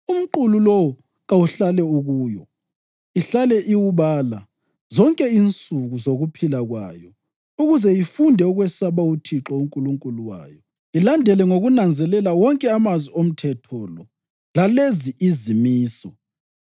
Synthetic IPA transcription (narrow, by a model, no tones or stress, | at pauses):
um̩ǃululɔw | ɣauɬalɛuɣuːjɔ | iɬalɛʔiwuβaːla | zɔŋkʼɛint͡sʼuɣuzoɣupʰilaɣwa̰jɔ | uɣuzɛifundʱɛuɣwɛsaβautʰiǁɔuŋkʼuluŋkʼuluwa̰ːjɔ | ilandʱɛlɛŋoɣunand͡zʱɛlɛlawɔŋkʼɛamazwiom̩tʰɛtʰɔlɔ | laleziʔizimiːsɔ